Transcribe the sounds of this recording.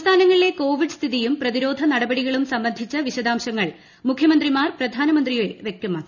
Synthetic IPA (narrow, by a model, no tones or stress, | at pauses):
st̪ʰaːnɐŋːɐɭile̞ko̞ːʋiɖɨst̪ʰiðijumprɐðiɾo̞ːd̪ʱɐnɐɽɐbɐɽiɣɐɭumsɐmbɐnd̪ʱit͡ɕːɐʋiɕɐd̪aːmɕɐŋːɐɭ | mukʰjɐmɐnd̪rimaːrprɐd̪ʱaːnɐmɐnd̪rijoeʋe̞k̚t̪ɐmːaː